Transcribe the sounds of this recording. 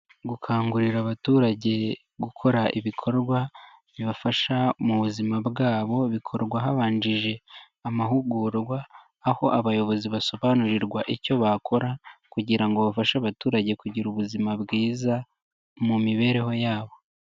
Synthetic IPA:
ɡukʰaːŋɡuɾiɾaβatuːɾaɟe̞ | ɡukʰo̞ɾaʔiβikʰo̞ɾɡwa | βiβafaʃamuβuzimabɡaːβo̞βikʰo̞ɾɡwaɦaβaːɲd͡ʒiʒe̞ | amahuɡuɾɡwaː | ho̞ʔaβajo̞βo̞ziβaso̞βaːnuɾiɾɡwaʔicoβakʰo̞ɾakuɟiɾaŋɡo̞βafaʃaːβatuːɾaɟe̞kuɟiɾuβuzimabɡiːza | mumiβe̞ːɾe̞ho̞jaːβo̞

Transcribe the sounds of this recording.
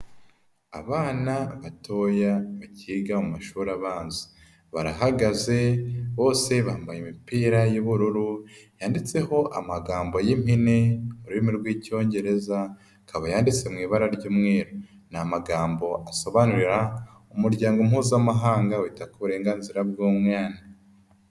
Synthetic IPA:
a̰βaːnaβatʰo̞ːjaβaciːɡaumaʃuːɾaβaːnzi̥ | βaɾaɦaɡaze̞βo̞ːse̞βambajimipiːɾajuβuɾuɾujaːndit͡se̞ho̞ʔa̰maɡaːmbo̞jimineoɾuimiɾɡwiːco̞ːɲɟe̞ɾe̞za | kaβajaːndit͡se̞mŋiːβaɾaɾɟuːmŋeːɾo | namaɡaːmbo̞ʔaso̞βanuɾiɾa | umuɾɟaːŋɡo̞mhuːzamaɦaːŋɡawiːtakoβuɾe̞ːŋɡanziɾabɡoːmŋaːni

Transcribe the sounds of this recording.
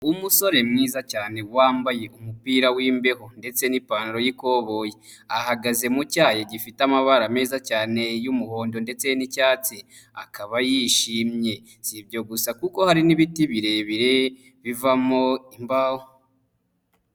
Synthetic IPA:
umuso̞ɾe̞mŋiːzacaːne̞waːmbaje̞ʔumupiːɾawiːmbe̞honde̞t͡se̞nipaːniɾo̞jiko̞βo̞je | ahaɡaze̞mucaːjeɟifitamaβaɾame̞ːzacaːne̞jumuho̞ːndo̞nde̞t͡se̞nicaːt͡si | akaβajiʃiːmɲe̞ | sibjo̞ɡusakuko̞haɾiniβitiβiɾe̞βiɾe̞ | βivamo̞imbaho

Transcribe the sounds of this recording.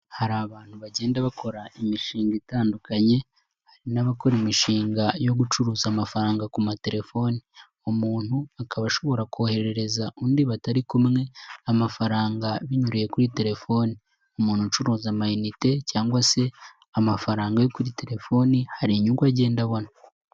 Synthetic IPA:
haɾaβaːn̥huβaɟe̞ːndaβakʰo̞ɾaimiʃiːŋɡitaːndukaɲe̞ | haɾinaβako̞ɾimiʃiːŋɡajo̞ɡut͡ʃuɾuːzamafaɾaːŋɡakumate̞ɾe̞fo̞ːni | umuːn̥huakʰaβaʃo̞βo̞ɾakuohe̞ɾe̞ɾe̞zaʔuːndiβataɾikumŋe̞amafaɾaːŋɡaβiɲuɾije̞kuɾite̞ɾe̞fo̞ːni | umuːn̥hut͡ʃuɾuːzamajunite̞caːŋɡwase̞ | amafaɾaːŋɡajokuɾite̞ɾe̞fo̞nihaɾiɲuŋɡwaɟe̞ːndaβona

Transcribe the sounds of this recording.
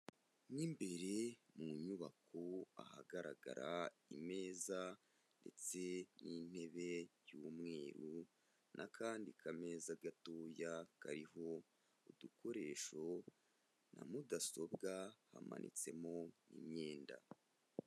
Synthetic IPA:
nimbe̞ɾe̞muɲuβakoahaɡaɾaɡa̰ɾaime̞ːza | nde̞t͡se̞nin̥e̞βe̞jumŋe̞ːɾu | nʔakʰaːndikʰame̞ːzaɡatoːjakaɾiɦo̞ | udukʰo̞ɾe̞ʃo̞ | namudaso̞bɡahama̰nʔḭt͡se̞mo̞nḭmɲe̞ːnda̰

